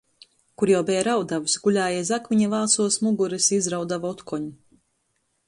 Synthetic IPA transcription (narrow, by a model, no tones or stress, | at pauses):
kuɾjawbɛjɾawd̪avusʲɡuʎʲaːjɛzakviɲavaːsuɔsmuɡuɾɨsizɾawd̪avɔt̪kɔɲu